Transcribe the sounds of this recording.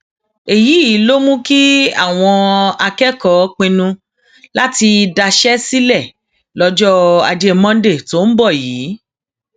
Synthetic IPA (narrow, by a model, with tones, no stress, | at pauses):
e˨ji˨˦i˨˦lo˦mũ˦ki˦a̰˦˨w̃ɔ̃˧a˧kɛ˦kɔ˨˦k͡pẽ˧nũ˧ | la˦ti˧da˧ʃɛ˦si˦lɛ˦˨ | lɔ˦d͡ʒɔ˦a̰˧d͡ʒe˧mɔ̃˦de˦˨to˨˦n̩˦bɔ˦˨jiː˨˦